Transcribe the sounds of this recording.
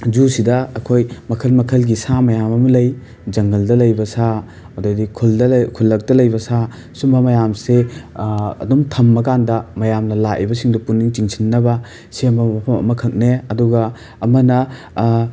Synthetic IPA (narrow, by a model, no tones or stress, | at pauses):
d͡ʒusidɐːkʰojmɐkʰɐlmɐkʰɐlɡisamɐjamɐmɐlɐj | d͡ʒɐŋɡɐldɐlɐjbɐsa | ododikʰuldɐkʰulːɐk̚tɐlɐjbɐsa | sumɐmɐjamse | ɐ̰dumtʰɐmːɐkandɐmɐjamnɐlaʔḭbɐsiŋdɐpunːiŋt͡ʃiŋsʰinːɐbɐ | seɐmɐmɐpʰɐmɐ̰mɐkʰɐk̚neɐduɡɐː | mɐnɐ